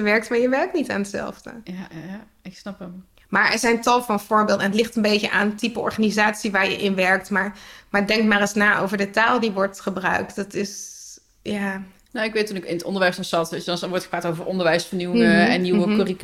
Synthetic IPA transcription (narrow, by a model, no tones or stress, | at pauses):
əʋɛɹk̚tmaːɹjəʋɛɹk̚tnita̰ːnətsɛ̰lˠvdə̰a | ɪksnɑpəm | maːɹɛ̰ɹzɛjntɑlˠfɑnfʊːɹbeɪːlˠdəɛnətlɪχtənbejtəʔaːntipəɔ̰ɹχanizaːtsiʋaːɹjə̰ʔɪnʋɛɹk̚tmaɹmaːɹdɛŋkmaːrəsnaːʔo̰wvəɹdətaːlˠdiʋɔɹtχəbrœ̰ɥk̚tdɑtɪs | jaː | noɪkʋeːtːunɪkɪnətɔ̰ndəɹʋɛjsɔnsɑtʋedɔnsʋɔɹtχəpraːtowvəɹʔɔndəɹʋɛjsfəniwɛnːiwəkorik